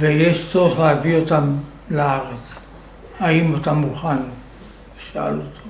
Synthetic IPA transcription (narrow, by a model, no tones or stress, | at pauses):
vejeʃt͡soʁeχleavio̞tam | laaʁet͡s | haimatamuχan | eʃaa̰lotʰo̥